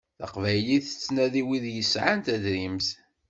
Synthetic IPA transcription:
θə̰qvæjliθə̥t͡sːnæðiwiðjəsʕant̪æðɾimθ

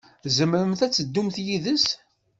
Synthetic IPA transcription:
zəmɾəmθæt͡sːəd̪ːumθjiðəs

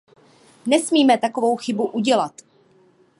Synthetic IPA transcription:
nɛsmiːmɛt̪ako̞vo̞wxɪbuʔuɟɛlat̪

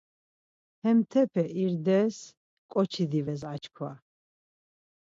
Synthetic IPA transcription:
hɛmt̪ʰɛpʰɛʔiɾd̪ɛs | kʼɔt͡ʃʰid̪ivɛzat͡ʃkʰwa

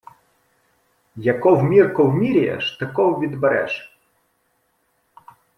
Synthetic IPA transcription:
jɐkɔwmʲirkɔwmʲiɾʲijɛ̰ʃt̪ɐkɔwʋʲid̪beɾɛ̰ʃ

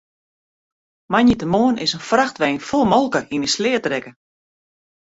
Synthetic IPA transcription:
manjətəmoənʔɪsənfraxtʋɛːnfɔlˠmɔlˠkəʔinəslɪːətrɛkə

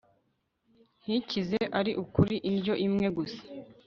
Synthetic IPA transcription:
hicizeʔaɾiʔukuɾiʔinɟo̞ʔimŋe̞ɡusḁ

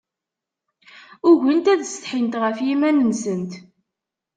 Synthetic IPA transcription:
ʊʝənt̪æðst̪ħint̪ʁəfjimænənsənt̪

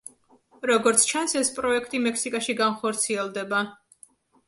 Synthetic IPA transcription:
ɾɔɡɔɾt̪sʰt͡ʃʰansɛspʼɾɔɛkʰt̪ʼimɛkʰsikʼaʃiɡanχɔɾt̪sʰiɛlˠd̪ɛba

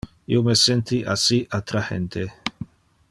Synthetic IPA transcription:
ḭomesɛnt̪iʔasiʔat̪ɾahḛnt̪e

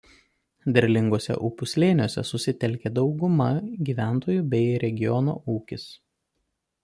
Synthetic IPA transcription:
d̪ʲɛɾʲlʲɪŋɡoːsʲɛ̰ʔʊːpʊsʲlʲeːnʲoːsʲɛ̰sʊsʲɪt̪ʲɛlʲkʲeːd̪ɒʊɡʊmɐɡʲiːʋʲæˑnt̪oːjuˑbʲɛɪɾʲɛɡʲɪjɔno̰ːʔuːkʲɪs

